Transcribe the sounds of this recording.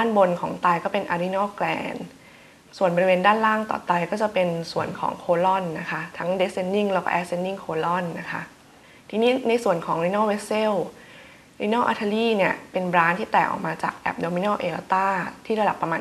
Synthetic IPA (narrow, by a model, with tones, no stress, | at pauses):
aː˥˩nbo˧nkʰɔː˩˦ŋt̪aː˧jkɔː˥˩pe˧nʔa˧ɾi˦nɔː˥˩klɛ̰ː˧n | su˨˩ənbɔ˧ɾi˧weː˧ndaː˥˩nlaː˥˩ŋt̪ɔ̰ː˨˩t̪a˧jkɔː˥˩t͡ɕa˨˩pe˧nsu˨˩ənkʰɔ̰ː˩˦ŋkʰoː˧lɔ˥˩nːa˦˥kʰa˦˥t̪ʰa˦˥ŋde˦˥s̚e˧nːi˥˩ŋlɛː˦˥wkɔ̰˥˩ʔɛː˦˥se˧nːi˥˩ŋkʰoː˧lɔ˥˩nːa˦˥kʰa̰˦˥ | t̪ʰiː˧niː˦˥na˧jsu˨˩ənkʰɔː˩˦ŋli˧˥nɔː˥˩we˦˥se˥˩w | ɾi˧nɔ˥˩ʔa̰˧˥t̪ʰa˧liː˥˩ni˥˩əpe˧nbɾaː˦˥nt̪ʰiː˥˩ɛː˨˩kʔɔ̰ː˨˩k̚maː˧t͡ɕa̰ː˨˩k̚ʔɛ̰˨˩p̚doː˧mi˧nɔː˥˩wʔe˧ʔa˧t̪aː˥˩t̪ʰiː˥˩ɾa˧da˨˩pːɾa˧maː˧